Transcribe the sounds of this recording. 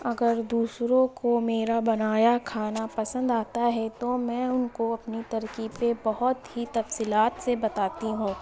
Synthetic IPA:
ɐɡəɾd̪uːsɾõkomeːɾabɐnaːjakʰaːnapɐsə̃nd̪aːt̪aɦɛt̪omɛ̃ːʊnkoɐpnit̪ɐɾkipebɐɦʊt̪hit̪ɐfsiːlaːt̪sebɐt̪aːt̪iɦũː

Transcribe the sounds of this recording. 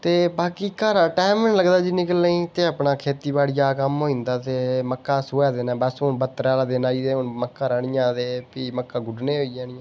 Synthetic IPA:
t̪eːbaːkiːkaːɾaːʈaːmɪnləɡd̪aːd͡ʒɪnɪkəlːəĩːt̪eːəpnaːkʰeːt̪iːbaːɽijaːkəmɦoːĩːnd̪aːt̪eːməkːaːsoːɛːd̪eːnãːbəsɦonbət̪ːɾaːlaːd̪eːnaːiːd̪eːʊnməkːãːɾəːɳ̃ɪjãːd̪eːpiːməkːaːɡʊɖneːɦoːijaːnɪjãː

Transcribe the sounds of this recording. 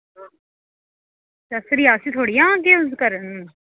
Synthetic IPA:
səsɾiːasĩt̪ʰoːɽijãːkezkəɾənː

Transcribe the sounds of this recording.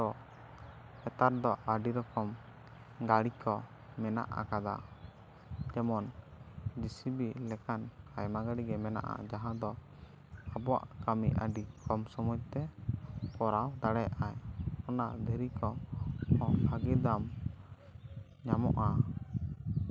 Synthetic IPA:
ɔ | ɛt̪aɾd̪ɔʔaɖiɾɔkɔm | ɡaɽikʰɔ | mɛna̰ʔa̰kad̪a̰ | d͡ʒɛmɔn | d͡ʒisibilɛkankajmaɡaɽiɡɛmɛna̰ʔa̰d͡ʒaɦãd̪ɔ | abɔwa̰ʔkamiʔʔa̰ɖikɔmsɔmuj̚t̪ɛkɔɾawd̪aɽɛjaʔajɔna̰d̪ʱɛɾikɔ | ɔaɡɛd̪am | ɲamɔʔa

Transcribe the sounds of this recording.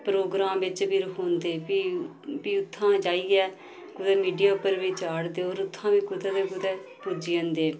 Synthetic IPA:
pɾoːɡɾaːmʋɪt͡ʃbiːɾəkʰoːnd̪eːiː | biːʊt̪ʰːãːd͡ʒaːiːɛː | kʊd̪ɛːmiːɖijaːpəɾʋit͡ʃaːɽd̪eːoːɾʊt̪ʰːãːʋiːkʊd̪ɛːd̪eːkʊd̪ɛːpud͡ʒiːə̃nd̪eː

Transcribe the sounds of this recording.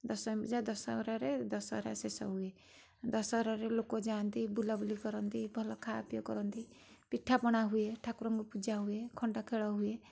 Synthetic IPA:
d̪ɔsɔmbid͡ʒad̪ɔsɔ̰ɾaɾed̪ɔsɔ̰ɦɾa̰sesɔ̰ɦue | d̪ɔsɔɾaɾelokod͡ʒant̪ibulabulikɔɾɔnt̪ibʱɔlɔkʰaːpjɔkɔɾɔnt̪i | piʈʰːapɔɽ̃aɦueʈʰakuɾɔŋɡupud͡ʒaɦuekʰɔɳɖakʰeɽɔɦue

